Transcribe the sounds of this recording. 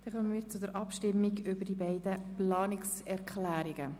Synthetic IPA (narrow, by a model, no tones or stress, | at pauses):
d̥̪ɛχœnəmiːɾt͡sʊd̪əɾʔɑpʃtɪmːiɡʏbəd̥ibɛɪd̥̪əplɑːnɪksɛɾkχlæːɾiɡə